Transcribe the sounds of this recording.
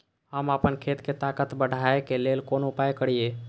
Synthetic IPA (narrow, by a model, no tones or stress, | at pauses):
ɦəmapənkʰet̪ket̪akət̪bəɽ̤ʱaekelelkonupajkəɽ̤ije